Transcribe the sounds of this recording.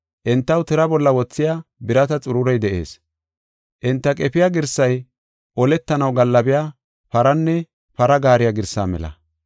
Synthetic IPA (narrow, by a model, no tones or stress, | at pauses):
ʔɪnt̪ːɐwt̪ɪɾɐbɔlːɐwɔt͡sːɪjaːbɪɾɐt̪ɐt͡sʼʊɾʊɾɛjd̪ɛʔe̞̰ːs | ʔɪnt̪ːɐkʼɛpɪjaɡɪɾsːɐj | ʔɔlɛt̪ːɐnɐwɡɐlːɐbɪjaː | pɐɾɐnːɛ | pɐɾɐɡaːɾɪjaɡɪɾsːa̰ːmɛ̰lɐ̰